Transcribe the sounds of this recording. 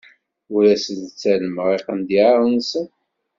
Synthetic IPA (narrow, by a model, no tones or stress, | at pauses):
ʊɾæsələt͡sːæləməʁeqənd̪iʕaɾˤənsən